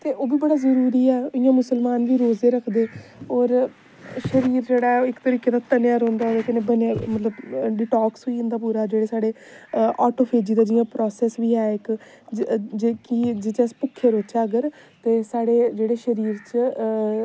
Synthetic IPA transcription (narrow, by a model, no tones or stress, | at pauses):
t̪eːʔoːbiːbəɽaːzəɾuːɾiːɛːoɪjãːmʊsəlmaːnʋiːɾoːzeːɾəkʰd̪eːɔːɾ | ʃəɾiːɾd͡ʒeːɽaːɛɪkt̪əɾiːkeːd̪aːt̪ənjaːɾõːnd̪aːd͡ʒeːkənẽːbənjaːmət̪ləbɖɪʈaːksɦoiʊ̃nd̪aːp̬uːɾaːd͡ʒeːɽeːsaːɽeː | ɔːʈoːpʰeːd͡ʒiːd̪aːd͡ʒɪjãːpɾɔːsɛːsʋiːɦɛːɪk | d͡ʒkɪd͡ʒɪt͡ʃɛ̃spʊkʰːeːɾoːt͡ʃaːəɡəɾ | t̪eːsaːɽeːd͡ʒeːɽeːʃəɾiːɾt͡ʃ